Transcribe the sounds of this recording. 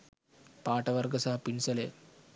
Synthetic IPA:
paːʈɐʋɐɾɡɐsɐɦɐpinsɐlḛː

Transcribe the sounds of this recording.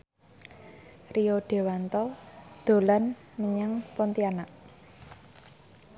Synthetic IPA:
rijoɖ̪̥e̤want̪ɔd̪̥o̤lan | məɲaŋpɔnt̪ianaʔ

